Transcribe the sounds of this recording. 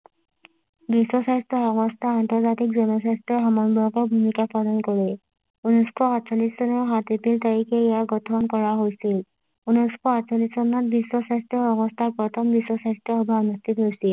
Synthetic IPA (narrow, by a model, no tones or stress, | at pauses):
bisːɔsastɔxɔmɔstʰaːntɔɹzatik̚zɔnɔsastɹɔxɔmɔnbɔkɔɹbʱumikapʰɔlɔnkoɹɛ | unɔskʰɔatsalissɔnɔɹɦatepiltaɹikɛjaɡɔtʰɔnkɔɹaɦojsil | unɔjskʰɔatsalisːɔnɔt̚bisːɔsastɹɔxɔmɔstʰapɹɔtʰɔmbisːɔsastɔɦɔbaɔnustʰitɦojsil